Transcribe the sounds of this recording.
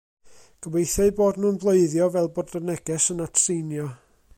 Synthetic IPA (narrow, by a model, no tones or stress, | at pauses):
ɡ̥əbejθɛɨboːdnuːnblˠoɨðjɔvɛlˠbɔrdənɛɡ̥ɛsənatʰsinjɔ